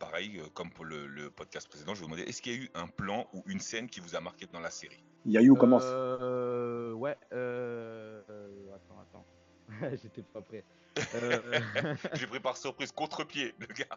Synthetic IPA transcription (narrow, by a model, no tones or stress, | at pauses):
paʁɛjøkɔmpuʁlələpɔd̪̚kʲast̪əpχesed̪ɑ̃ʒəvud̪mɑ̃d̪ɛ̰ʔɛskiljayʔɛ̃plɑ̃uʔynsɛnkʲivuzamaʁkʲed̪ɑ̃laseʁi | jajukɔmɑ̃s | wɛø | at̪ɑ̃a̰t̪ɑ̰̃ | ɛʒet̪ɛpapχɛ | ʒepχipaʁsyʁpχizkɔ̃t̪χəpjeləɡa